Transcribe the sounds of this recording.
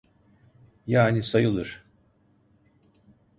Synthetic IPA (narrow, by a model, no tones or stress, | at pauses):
jaːnisajɯlˠɯɾ̥